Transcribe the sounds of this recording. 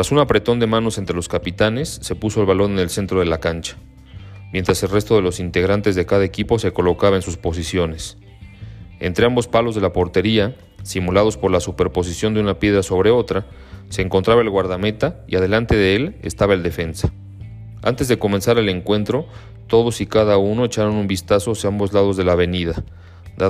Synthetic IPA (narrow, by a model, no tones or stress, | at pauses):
tt̪ɾasunapɾe̞t̪o̞nd̪e̞mãno̞se̞nt̪ɾe̞lo̞skapit̪ane̞sːe̞puso̞e̞lβalo̞ɾnene̞lse̞nt̪ɾo̞ð̞e̞lakant͡ʃḁ | mjent̪ɾase̞lre̞st̪o̞ðe̞lo̞sint̪e̞ɣ̞ɾant̪e̞zðe̞kaðaekipo̞se̞ko̞lo̞kaβaensuspo̞s̬isjo̞ne̞s | ent̪ɾe̞ambo̞spalo̞zðe̞lapo̞ɾt̪e̞ɾia | simulað̞o̞spo̞ɾlasupe̞ɾpo̞s̬isjo̞nd̪unapje̞ð̞ɾaso̞β̞ɾe̞o̞t̪ɾa | se̞ːŋko̞nt̪ɾaβae̞lɣwaɾðame̞t̪aiað̞e̞lant̪e̞ðe̞e̞le̞̰st̪aβae̞ld̪e̞fe̞nsḁ | a̰nt̪e̞zðe̞ko̞me̞nsaɾele̞ŋkwe̞nt̪ɾo̞ | t̪o̞ðo̞sikaðauno̞e̞t͡ʃaɾo̞numbist̪aso̞asjaambo̞zlað̞o̞zðe̞laβe̞niða | d̪a